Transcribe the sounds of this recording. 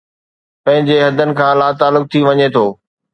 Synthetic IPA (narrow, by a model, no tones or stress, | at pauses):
pɐ̃ɦɪ̃ɲd͡ʑeɦɐd̪ʱənɪ̆kʰãːlaːt̪aːlʊk̚t̪ʰiʋɐɲet̪ʰoː